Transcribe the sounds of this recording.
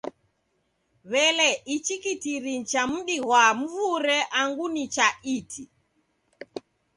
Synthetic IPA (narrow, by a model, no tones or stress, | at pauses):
βɛlɛʔit͡ʃikitiɾit͡ʃam̩ɗiɣwam̩vuɾɛʔaŋɡunit͡ʃaitʰi